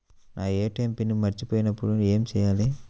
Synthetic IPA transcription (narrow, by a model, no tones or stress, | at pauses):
nʔaːeːʈːɐjmpɪnːɯmɐɾɪt͡ʃːɯpoːjɪnɐpːʊɽɯeːmsɛjːaːleː